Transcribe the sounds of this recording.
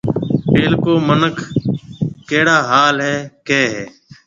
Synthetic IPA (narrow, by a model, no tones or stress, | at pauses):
peːlkoːmənəkʰ | keːɽaːɦaːlɦɛːkeːɦɛː